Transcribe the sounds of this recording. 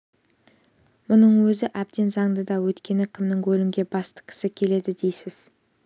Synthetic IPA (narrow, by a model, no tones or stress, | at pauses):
mʊnəɴwɵzɪʔæp̚t̪e̞nzɑɴd̪əd̪ɑwɵt̪kʲe̞nɪkʲʰɪmnɪŋkʰɵlɪmɡʲe̞bɑst̪ə̥kʲʰɪ̥sɪkʲʰe̞le̞d̪ɪd̪e̞jsɪz̥